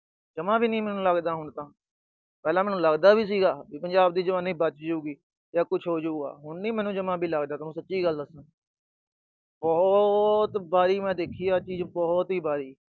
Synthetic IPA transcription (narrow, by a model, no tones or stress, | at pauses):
d͡ʒəmãːbiːnĩːmɛːnũːləɡd̪aːɦʊɳt̪ãː | pɛːlaːmɛːnũːləɡd̪aːbiːs̬iːɡaːbiːpənd͡ʒaːbd̪iːd͡ʒəʋaːniːbət͡ʃd͡ʒəuːɡiː | jaːkʊt͡ʃʰɦoːd͡ʒuːɡa̰ːɦʊɳnĩːmɛːnũːd͡ʒəmãːbʱiːləɡd̪aːt̪ːnũːsətːʃiːɡəlːəsə̃ | bɔːt̪baːɾiːmɛ̃ːd̪eːkʰiːaːt͡ʃiːzbɔːt̪ɦiːbaːɾiː